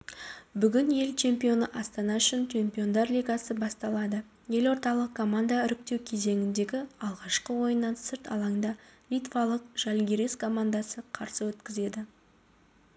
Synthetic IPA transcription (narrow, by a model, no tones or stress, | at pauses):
bʏɡʲɪnje̞lt͡ʃʰe̞mpijo̞nəʔɑst̪ɑnɑʏʃɪnt͡ʃʲʰe̞mpʲio̞nd̪ɑɾlʲijɡasəbɑst̪ɑlˠɑd̪ə | je̞lo̞ɾt̪ɑlˠəq̚kʰːo̞mand̪aʏɾʏk̚t̪e̞wkʲʰe̞ze̞ŋʲɪnd̪e̞ɡʲɪɑlˠʁɑʃqəwo̞jənːɑnsɪɾt̪ʰɑ̰lˠɑŋd̪ɑlʲijt̪vɑlˠəq̚ʒ̥ælɡʲeɾeskʰo̞mand̪asəqʰɑɾsəwɵt̪kʲɪze̞d̪ɪ